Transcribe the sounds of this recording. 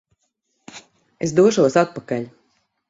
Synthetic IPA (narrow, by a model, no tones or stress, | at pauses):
esd̪uɔʃuɔsat̪̚pakalʲ